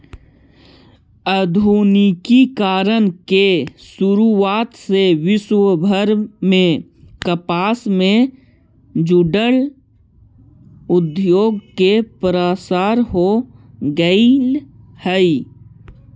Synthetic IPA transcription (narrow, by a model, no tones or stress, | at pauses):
əd̪ʱuːnikikaːɾənkesʊɾuaːt̪seʋɪswəbʱəɾmẽ | kəpaːsmẽ | d͡ʒʊɖəl | ʊd̪joːɡkepɾasaːɾɦoɡəil | həi